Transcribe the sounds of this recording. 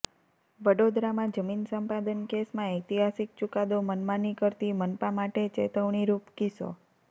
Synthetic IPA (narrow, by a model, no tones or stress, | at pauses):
ʋəɽod̪ɾamãd͡ʒəminsəmpad̪ənkesmãet̪iɦasik̚t͡ʃukad̪omənmanikəɾt̪imənpãmaʈet͡ʃḛt̪əʋɳ̃iɾupkiso̰